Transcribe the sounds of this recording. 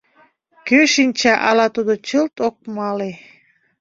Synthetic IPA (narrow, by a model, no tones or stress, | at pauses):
køʃinʲt͡ɕæʔɑlɑt̪ud̪ot͡ɕəlt̪ok̚mɑle